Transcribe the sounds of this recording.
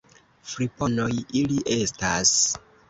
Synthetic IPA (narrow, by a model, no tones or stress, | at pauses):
fɾipo̞nojiliʔe̞stas